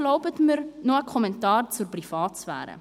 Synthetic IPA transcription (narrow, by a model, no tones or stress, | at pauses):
lɔwpətmərnɔəkʰɔmɛntɑːrturprifɑːtsfæ̰ːɾə̰